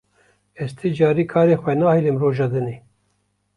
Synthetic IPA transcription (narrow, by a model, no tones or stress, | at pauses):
ɛst̪ʰɨd͡ʒɑːɾiːkʰɑːɾeːxʷɛnɑːhilɨmroːʒɑːd̪ɨneː